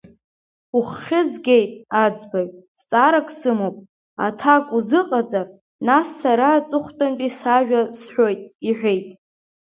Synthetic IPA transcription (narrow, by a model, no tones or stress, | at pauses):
uχːʲɪzɡʲe̞jtʼad͡zbajtʼst͡sʼaɾakʼsɨmopʼ | a̰tʰakʼuzɨqʼad͡zʼar | nasːaɾat͡sʼɨχʷtʼampʼisaʒᶣasħʷᶣo̞jtʼiħʷᶣe̞jtʼ